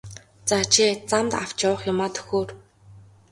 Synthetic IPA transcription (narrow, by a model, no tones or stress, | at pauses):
t͡saːt͡ɕʰit͡samt̪a̰w̥t͡ɕawə̆χjʊmaːt̪ʰɵ̥xoːr